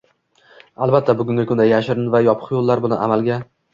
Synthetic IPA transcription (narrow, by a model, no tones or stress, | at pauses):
alˠbat̪ʰːabʊɡʲʊŋɡʲɪkʰʊnd̪ajaʃɪɾɪnvajɒpʰə̥χjolˠːaɾbʊlˠɪnʔa̰malɡʲa